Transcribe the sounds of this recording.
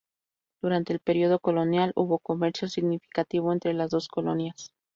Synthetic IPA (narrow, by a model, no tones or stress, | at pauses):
d̪̥uɾant̪e̞ːlpe̞ɾio̞ðo̞ko̞lo̞njaluβo̞ko̞me̞ɾsjo̞siɣnifi̥kat̪iβo̞ent̪ɾe̞lazðo̞sko̞lo̞̰njas